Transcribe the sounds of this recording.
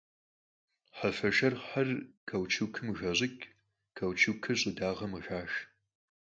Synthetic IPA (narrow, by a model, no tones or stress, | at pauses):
ħafɐʒɐrħarkʰɐwt͡ʃʰuwkʰɨmʒɐʑɪkʲ | kʰɐwt͡ʃʰɨkʰɨɕʼɪdaːʁɐmɨʒaːʃ